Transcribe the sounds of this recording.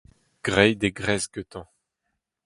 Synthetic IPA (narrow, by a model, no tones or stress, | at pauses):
ɡ̥ʁɛjd̪eɡʁɛzɡøt̪ɑ̃